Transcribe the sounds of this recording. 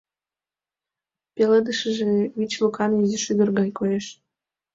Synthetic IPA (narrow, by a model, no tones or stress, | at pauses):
peləd̪əʃə̆ʒeβit͡ɕlukɑmiziʃyd̪ə̆rɣɑjkojeʃ